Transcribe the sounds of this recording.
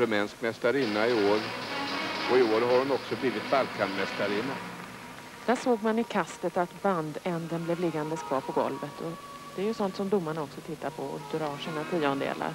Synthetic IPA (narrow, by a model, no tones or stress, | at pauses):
ɾɵmɛːnskmɛst̪aɾɪnːaɪoːɾ | ɔɪoːɾɦaɾʊnɔksɔbliːvɪt̪̚balkʰanmɛst̪aɾɪnːa | d̪̥æʂoːɡmanɪkʰast̪ət̪at̪band̪ɛnd̪ənblɛvlɪɡːand̪əskʰvɑːɾpʰɔɡɔ̰lvət̪ʰɔ | d̪̥ɛæɾjɵsɔnt̪sɔmd̪ʊmːaɳaɔksɔt̪ʰɪt̪ːaɾpʰɔɔ̰d̪ɾɑːʂiːnat̪ʰiːɔnd̪ḛːla̰ɾ